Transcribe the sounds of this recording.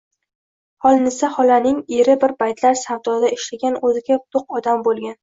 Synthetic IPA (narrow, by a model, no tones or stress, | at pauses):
hɒlˠnɪsahɒlanɪŋeɾɪbɪɾbajt̪laɾsavd̪ɒd̪aɪʃlaɡʲanɵzɪɡʲat̪ʰoq̚ɒd̪ambolˠɡʲan